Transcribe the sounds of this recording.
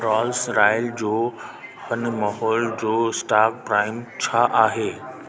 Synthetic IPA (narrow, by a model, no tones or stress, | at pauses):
ɾɔːlsɾaːɪld͡ʑoːhɐnmaːɦɔːld͡ʑoːsʈaːk̚pɾaːɪmt͡ɕʰaʔaːɦeː